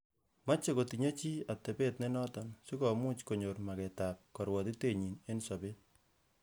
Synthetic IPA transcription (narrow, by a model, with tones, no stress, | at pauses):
ma˦t͡ʃe˦ko˨ti˨ɲɔ˦t͡ʃi˦a˨tɛ˨pe˦tne˦nɔ˦tɔnsi˦kɔ˨mu˦t͡ʃko˨ɲo˨rma˨kɛtap̚kɔ˨ɾwɔ˨ti˦te˦˨ɲi˨ne˦nsɔ˨bet̚